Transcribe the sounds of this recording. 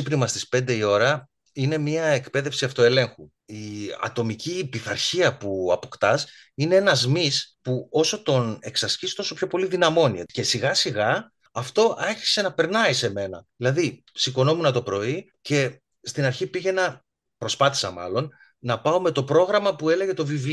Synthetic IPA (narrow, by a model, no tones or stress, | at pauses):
ipnimɐst̪i̥spe̞nd̪e̞io̞ɾɐ | ine̞mɲiɐe̞kpe̞ðefsiɐft̪o̞e̞le̞ŋxu | iɐ̰t̪o̞micipiθɐ̰ɾçiɐpuɐpo̞kt̪ɐs | ine̞enɐzmispuo̞so̞t̪o̞ne̞ksɐscist̪o̞so̞pço̞po̞liðinɐmo̞niece̞siɣɐsiɣɐː | ft̪o̞ʔɐçi̥se̞nɐpe̞ɾnɐise̞me̞nɐðilɐði | siko̞no̞munɐt̪o̞pɾo̞i | ce̞ | st̪inɐɾçipiʝe̞nɐ | pɾo̞spɐθi̥sɐmɐ̰lo̞n | nɐpɐo̞me̞t̪o̞pɾo̞ɣɾɐmɐpue̞le̞ʝe̞t̪o̞vivl